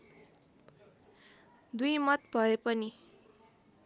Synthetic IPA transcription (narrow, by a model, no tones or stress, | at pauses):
d̪ujmʌt̪bʱʌepʌni